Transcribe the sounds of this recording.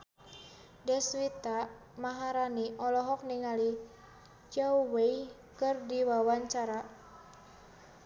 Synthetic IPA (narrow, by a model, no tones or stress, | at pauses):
dɛswit̪a | maɦaɾaniʔɔlɔɦɔk̚niŋali | t͡ʃauwej | kɨrdiwawaɲt͡ʃaɾa